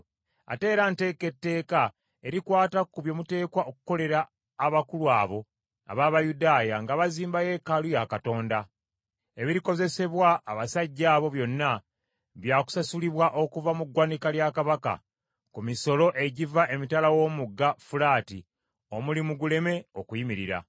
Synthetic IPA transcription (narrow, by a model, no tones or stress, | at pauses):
a̰te̞ːɾante̞ːke̞tːe̞ːka | e̞ɾikwaːtakuβjo̞ːmute̞ːkwaʔoku̥ko̞le̞ɾaː | βakulwaːβo̞ | a̰βaːβajudaːjaŋɡaβaziːmbaje̞kalujakato̞ːnda | eβiɾiko̞ze̞se̞βwaːβasaɟːaːβo̞βjo̞nːa | βjaːku̥sasuliβwaʔo̞kuvamuɡwaːnikaljakaβaka̰ | kumiso̞lo̞ʔe̞ɟivaʔe̞mitalawo̞ːmuɡːafulaːti | o̞mulimuɡule̞me̞okujimiɾḭɾa̰